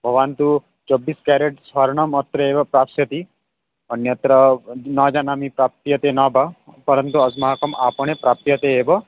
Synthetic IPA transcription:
bʱɐʋaːnt̪u | t͡ʃɔbːiskɛɾeʈsɐɾɳɐmɐt̪ɾɐeːbɐpɾaːpsjɐt̪i | ənjɐt̪ɾɐnɐd͡ʒaːnaːmipɾaːp̚t̪jɐt̪enabʱapɐɾənt̪uɐsmaɦakɐmaːpɐɳ̃epɾaːp̚t̪jɐt̪eeːbɐ

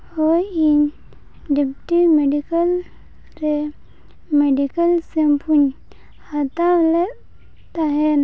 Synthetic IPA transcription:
hoin | ɖepʈimeɖikəl | ɾe | meɖikəlsempʰuɲ | hat̪ale | t̪aɦen

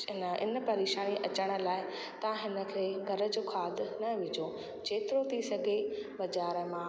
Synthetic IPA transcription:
nɪ̰nə̆pɐɾeːʃaːniʔɐt͡ɕəɽ̃ə̆laːɪ | t̪ɐʋãɦɪnə̆kʰeːɡʱɐɾə̆d͡ʑoːkʰaːd̪ʱnɐʋɪd͡ʑo | t͡ɕʰeːt̪ɪɾot̪ʰisɐɡʱebɐd͡ʑaːɾəmãː

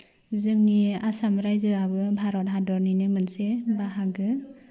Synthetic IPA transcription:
zɯŋniasamɾajzɯabɯbʱaɾɔt̚ɦadɔɾninɯmɯnsebaɦaɡɯ

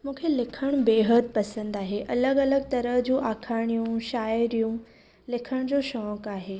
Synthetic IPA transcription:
mũːkʰelɪkʰəɽ̃beːɦəd̪̚pɐsə̃nd̪aːɦeʔɐləɡɐləɡt̪ɐɾəɦd͡ʑũːʔaːkʰaːɽ̃ijũʃaːɪɾijũ | lɪkʰəɽ̃d͡ʑoʃɔːkaːɦeː

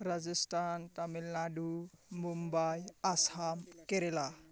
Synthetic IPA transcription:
ɾad͡zəsʈʰant̪amilnaɖumumbajasamkeɾela

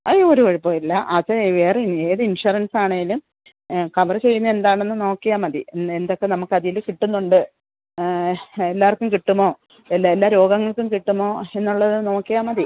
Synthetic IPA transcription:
ɐjːooɾuoɻipːoːilːɐʔɐðʋeːrneːðɨinʂuɐrɐnsaːɳeŋɡilum | kɐʋɐrɨt͡ɕe̞jːunːɐe̞nd̪aːɳe̞nːɨno̞ːkːijaːmɐðiend̪o̞kːe̞nɐmukːɐðijilkiʈːunːuɳɖɨ | e̞lːaːɐrkːumkiʈːumːo̞ː | elːaelːaːɾo̞ːɡɐŋːɐɭkːumkiʈːumːo̞ːe̞nːuɭːɐðɨno̞ːkːijaːmɐði

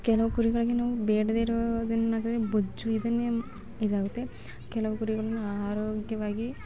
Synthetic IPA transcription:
kelɐʋukuɾiɡɐɭɐɡinɐʋubeːɖɐd̪eːɾod̪ɐnnaːɡut̪ɐɾebod͡ʒːuiðɐnːe | iðaːɡut̪ːe | kelɐʋɐkuɾiɡɐɭunːaːɾoːɡjɐʋaːɡi

